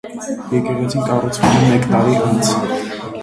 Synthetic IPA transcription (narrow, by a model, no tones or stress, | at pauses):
jɛkɛʁɛt͡sʰinkʼɑrut͡sʰvɛmɛmɛkt̪ɑɾiʔɑnt͡sʰ